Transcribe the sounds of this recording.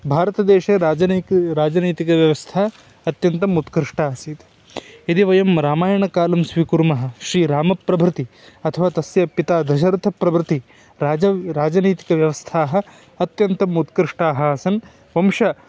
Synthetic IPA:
bʱaːɾɐt̪ɐd̪eːʃɐ | ɾaːd͡ʒɐniːt̪ikɐʋjɐʋɐst̪ʰa | ɐt̪jɐnt̪ɐmut̪kɾɪʂʈaːsiːt̪ | id̪iʋɐjɐmɾaːmaːjɐɳɐkaːlɐmsʋikuɾmɐɦɐ̆ʃɾiːɾaːmɐpːɾɐbʱɾɪt̪i | ɐt̪ʰɐʋaːt̪ɐsjɐpit̪aːd̪ʱɐʃ̬ɐɾt̪ʰɐpɾɐbʱɾɪt̪i | ɾaɐɾaːd͡ʒɐniːt̪i̥kɐʋjɐʋɐst̪ʰaːɦɐ | ɐt̪jɐnt̪ɐmut̪kɾɪʂʈaːɦɐɐsɐn | ʋɐmʃɐ

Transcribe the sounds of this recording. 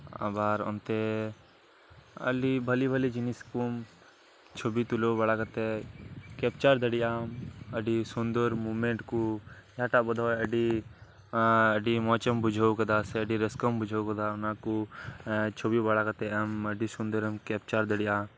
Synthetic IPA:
a̰baːɾɔ̰nt̪e | ɐ̰libʱɐlibʱɐlid͡ʒiniskum | t͡ʃʰobit̪ulobɐɽakɐt̪ekeːp̚t͡ʃaɾd̪ɐɽijaːmɐɖisund̪əɾmuːmeɳʈkujaːʈabɐd̪ʱoːɐɖi | ɐɖimɔːt͡ʃəmbud͡ʒʱowkɐd̪aseɐɖiɾɐskəmbud͡ʒʱowkɐd̪aʊnaku | t͡ʃʰobibɐɽakɐt̪eɐmɐɖisund̪əɾəmkeːp̚t͡ʃaɾd̪ɐɽijaː

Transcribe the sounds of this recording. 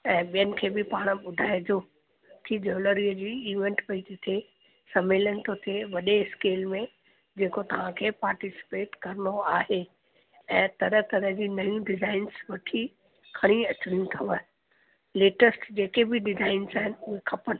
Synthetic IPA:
ɛ̃ːɓijənɪ̆kʰeːbɪpaːɽ̃əɓʊd̪ʱaːed͡ʑoː | k̪ʰid͡ʒoːləɾiəd͡ʑiːiːʋẽɳʈpɐid͡ʑɪt̪ʰe | sɐmeːlənɪ̆t̪ʰot̪ʰeʋɐɗeskeːlmẽ | d͡ʑeːkot̪ɐʋ̤ãkʰeːpaːɾʈisɪ̥peːʈkɐɾnoaːɦe | ɛ̃ːt̪ɐɾət̪ɐɾəɦd͡ʑiːnɐjũɖɪzaːɪnsʋɐʈʰi | kʰɐɽ̃iɐt͡ɕʊɽijũt̪ʰɐʋə | leːʈəsʈd͡ʑeːkebɪɖɪzaːɪnzaːɦɪnɪʊɦexʰɐpən

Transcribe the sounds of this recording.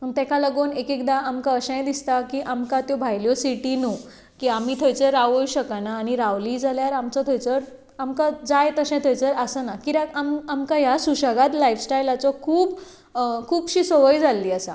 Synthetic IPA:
ət̪ɛ̃kʰaləɡonekekd̪aʔamkaəɕə̃j̃d̪ist̪akiːʔamkat̪jɔbʱajljosiʈinu | kiːamiːt̪ʰəjt͡səɾaʋouɕəkanaːñiɾaʋliːd͡zaljaɾamt͡sɔt̪ʰəjt͡səɾ | amkad͡zajt̪əɕɛ̃t̪ʰəjt͡səɾasənakiɾakamamkajasuɕaɡat̪laiʋsʈajlat͡sɔkʰuːb | kʰuːbɕiːsoʋəjd͡zalːiːasa

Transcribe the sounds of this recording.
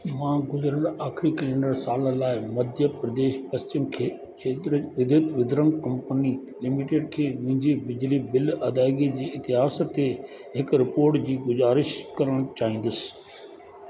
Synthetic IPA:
mãːɡʊzɾəɾaːxɾikɪlẽɳɖəɾsaːləlaːɪmɐd̪ʱjəpɾɐd̪eːʃpɐst͡ɕɪmkʰeː | ʃʰeːt̪ɾəʋɪd̪ʱət̪ʋɪd̪ʱɾəŋɡkɐ̃mpəni | lɪmɪʈeːɖkʰeːmʊ̃ɦɪ̃ɲd͡ʑibɪd͡ʑlibɪlɐd̪aːɪɡid͡ʑiːɪt̪ɪɦaːst̪ːe | ɦɪkɾɪpoːɾʈd͡ʑiːɡʊzaːɾɪʃkɐɾəɽ̃t͡ɕaːɦĩːn̆d̪əsɪ̥̆

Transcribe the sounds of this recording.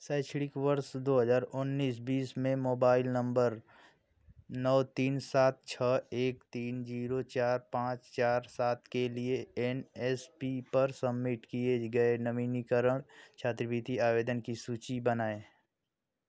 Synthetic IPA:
saːɪt͡ʃʰɽɪkʋəɾsd̪oːɦəzaːɾʊnːiːs̬biːsmẽmoːbaːɪlnə̃mbəɾ | nɔːt̪iːnsaːt̪̚t͡ʃʰəeːkt̪iːnd͡ʒiːɾot͡ʃaːɾpãːt͡ʃt͡ʃaːɾsaːt̪̚ʰkelieenɛːspipɐɾsəbːɪʈkieɡəenəʋinikəɾəɽ̃t͡ʃʰaːt̪ɾʋit̪iaːʋeːd̪ənkisuːt͡ʃibənaːe

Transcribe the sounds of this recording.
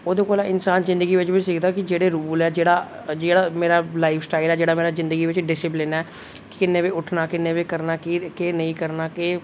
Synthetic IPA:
oːd̪õːkoːlaːɪnsaːnzɪ̃nd̪əɡiːʋɪt͡ʃʋiːsɪkʰd̪aːkɪd͡ʒeːɽeːɾuːlɛːd͡ʒeːɽaː | d͡ʒeːɽaːmeːɾaːlaːipʰsʈaːɪlɛːd͡ʒeːɽaːmeːɾaːzɪ̃nd̪əɡiːʋɪt͡ʃɖɪsɪp̬lɪnɛː | kkɪnːẽːʋeːʊʈʰnaːkɪnːeːʋeːkəɾnaːkɪkeːnəĩːkəɾnaːkeː

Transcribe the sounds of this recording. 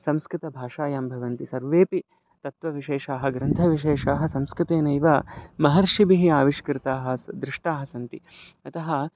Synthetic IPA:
sɐ̃mskɾɪt̪ɐbʱaːʂaːjaːmbʱɐʋɐnt̪isɐɾʋeːpi | t̪ɐt̪ʋɐʋiʃeːʃaːɦɐ̆ɡɾɐnt̪ʰɐʋiʃeːʂaːɦɐsɐmskɾɪt̪eːnɐiʋamɐɦɐɾʂibiɦiaːʋiʃkɾɪt̪aːɦɐ̆sd̪ɾɪʂʈaːɦɐsɐnt̪i | ɐt̪ɐɦɐ̆

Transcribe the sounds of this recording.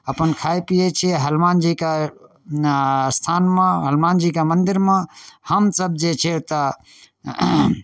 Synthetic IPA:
əpənkʰaːjpijet͡ʃʰieɦəlmaːnd͡ʒika | st̪ʰaːnmãɦəlmaːnd͡ʒikamə̃nd̪ɪɾmãhəmsəb̚d͡ʒet͡ʃʰet̪ə

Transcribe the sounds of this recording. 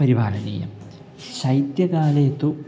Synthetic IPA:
ɐɾibʱaːlɐnḭːjɐ̰m | ɕɐjt̪jɐðaːlet̪ːu

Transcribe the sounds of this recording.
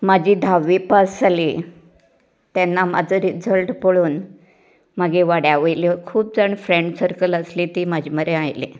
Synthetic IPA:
mad͡ʑʱiːd̪ʱaʋipasali | t̪janːamad͡zʱəɾid͡zʱəlʈpoɭuːn | maɡeʋaɽjaʋəjlikʰuːp̚d͡zəɳfɾẽɳɖsəɾkələslit̪iːmad͡ʑʱiməɾeajlḛ

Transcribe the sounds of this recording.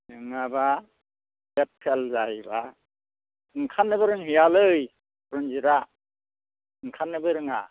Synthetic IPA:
ɯŋaba | bep̚kʰelzajba | ɯŋkʰanːɯbɯɾɯŋɦɯjalɯj | ɾɯnziɾa | ɯŋkʰanːɯbɯɾɯŋa̰

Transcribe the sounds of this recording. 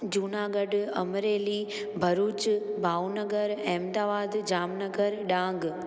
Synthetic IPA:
d͡ʒuːnaːɡəɖɐ̰mɾeːli | bʱɐɾuːt͡ʃbʱaːʋnəɡəɾɛ̃ːmd̪aːʋaːd̪d͡ʒaːmnəɡəɾɗãːŋɡ

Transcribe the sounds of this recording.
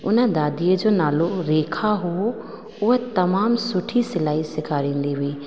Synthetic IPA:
ʊnə̆d̪aːd̪iːəd͡ʑoːnaːloɾeːkʰaɦo | ʊɦət̪ɐmaːmsʊʈʰisɪlaːisɪkʰaɾĩːn̆d̪iɦʊiː

